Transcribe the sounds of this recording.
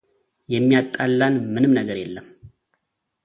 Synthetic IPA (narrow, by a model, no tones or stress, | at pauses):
jɛmːijat̪ʼːalːanmɨnɨmnəɡəɾjɛlːəm